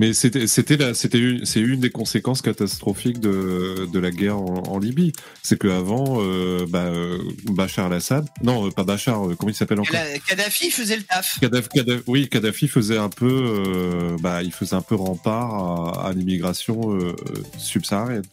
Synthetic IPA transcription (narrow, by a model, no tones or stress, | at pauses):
mɛset̪ɛset̪ɛlaset̪ɛynsɛynd̪ekɔ̃sekɑ̃skat̪ast̪χɔfikd̪əd̪əlaɡʲɛʁɑ̃ɑ̰̃libi | sɛkəavɑ̃øbaøbaʃaʁalasad̪nɔ̃øpabaʃaʁøkɔmɑ̃ilsapɛlɑ̃kɔkad̪afifəzɛlət̪afkad̪akad̪awikad̪afifəzɛɛ̃pøøbailfəzɛɛ̃pøʁɑ̃paʁaa̰limiɡʁasjɔ̃ø̰sybsaaʁjɛn